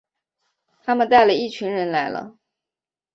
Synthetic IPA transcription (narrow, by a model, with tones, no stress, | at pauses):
t̪ʰa˥mə˨nt̪a˥˩ɪlə˩i˥˩t͡ɕʰy˧˥nɻə˧˥nla˧˥ɪlə̰˧